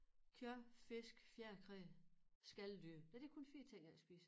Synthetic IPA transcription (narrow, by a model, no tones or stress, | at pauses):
kʰjœɐfe̝sɡ̥fjæɐkʰʁɛsɡ̥æld̥yd̥æɐd̥ekʰo̽nfiːt͡sʰeŋ̰ææsb̥ḭːsə